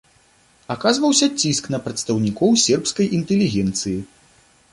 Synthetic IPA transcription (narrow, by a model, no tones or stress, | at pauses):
akazvɐwsʲɐt͡sʲːisknɐpɾɐt̪st̪ɐwnʲikɔwsʲɛrpskɐjint̪ɛlʲːiɣʲɛnt̪sɨji